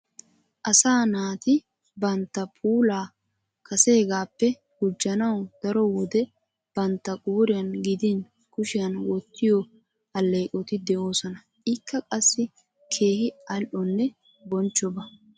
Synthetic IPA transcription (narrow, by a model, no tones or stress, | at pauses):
ʔɐsaːnaːt̪ɪ | bɐnt̪ːɐpʰʼuːlaː | kɐse̞ːɡaːpːɛ | hʊd͡ʒːɐnɐwd̪̥ɐɾɔwɔd̪ɛ | b̥ɐnt̪ːɐɡʼuːɾɪjɐnɡɪd̪ɪn | kʊʃɪjɐnwɔt̪ːɪjɔ | ɐlːeːkʼɔt̪ɪd̪ɛʔo̞ːsɔnɐ | ʔɪkːɐkʼɐsːɪ | kʰe̞ːhɪɐlʔɔnːɛ | bɔnt͡ʃːɔbɐ